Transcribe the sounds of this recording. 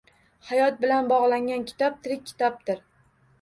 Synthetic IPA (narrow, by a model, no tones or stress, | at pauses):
hajɒt̪̚bɪlanbɒʁlˠaŋʲankʲʰɪ̥t̪ʰɒp̚t̪ʰɪɾɪk̚ʲʰːɪ̥t̪ʰɒp̚t̪ɪɾ